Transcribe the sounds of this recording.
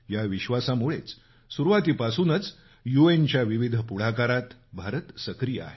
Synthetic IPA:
jaʋiɕʋasamuɭet͡s | suɾuʋat̪iːpasuːnət͡s | juent͡ɕjaʋiʋid̪ʱpuɽ̤akaɾat̪bʱaɾət̪səkɾijəa̰ɦe

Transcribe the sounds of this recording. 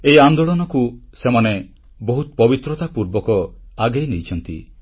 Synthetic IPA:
ejand̪oɭɔnɔkusemane | bɔɦut̪ɔpɔbit̪ɾɔt̪apuɾbɔkɔaɡejnejt͡ʃʰɔnt̪ḭ

